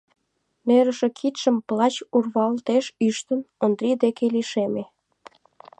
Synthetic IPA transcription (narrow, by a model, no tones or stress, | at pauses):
neɾə̆ʃe̽kʰit̪ʃə̆mplɑt͡ɕurβɑlt̪eʃyʃt̪ə̆nond̪ɾʲid̪ekeliʃeme